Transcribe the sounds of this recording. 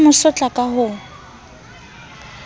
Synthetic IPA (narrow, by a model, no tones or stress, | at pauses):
mʊsɔt͡ɬʼakʼaɦʊ